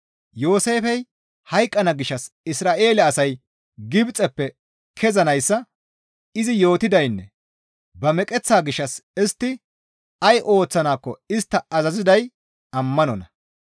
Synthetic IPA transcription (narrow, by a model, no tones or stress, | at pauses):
jo̞ːse̞ːfɛj | hɐjkʼːɐnɐɡɪʃːɐsɪsɾaːʔe̞ːlɐɐsɐj | ɡɪbt͡sʼɛpːɛ | kʰɛzɐnɐjsːɐ | ɪzɪjo̞ːt̪ɪd̪ɐjnːɛ̰ | bɐmɛkʼɛt͡sːaːɡɪʃːɐsɪst̪ːɪ | ɐjʔo̞ːt͡sːɐnaːkːɔɪst̪ːɐɐzɐzɪd̪ɐj | ɐmːɐnɔnɐ